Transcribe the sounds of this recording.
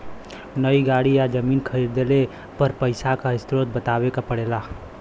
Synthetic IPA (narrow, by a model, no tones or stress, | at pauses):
nəiɡaːɽijad͡ʒəmiːnkʰəɾiːɾd̪ele | pəɾpəɪsakaɪst̪ɾoːt̪̚bət̪aːwekapəɽeːla